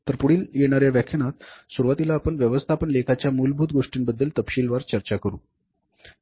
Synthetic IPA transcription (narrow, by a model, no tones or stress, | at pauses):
t̪əɾpuɽ̤iːljeɽ̃aɾjaʋjakʰjəñat̪suɾuʋat̪ilaːpəɳʋjəʋəst̪ʰapəɳlekʰat͡ɕjamuːlbʱuːt̪ɡoʂʈiːnbəd̪ːəlt̪əpɕiːlʋaɾt͡ɕəɾt͡ɕakəɾṵː